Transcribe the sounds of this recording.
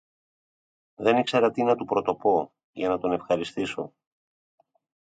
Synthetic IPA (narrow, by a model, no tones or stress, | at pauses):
ðe̞nikseɾɐt̪inɐt̪upɾo̞t̪o̞po̞ | ʝɐnɐt̪o̞ne̞fxɐɾist̪iso̞̰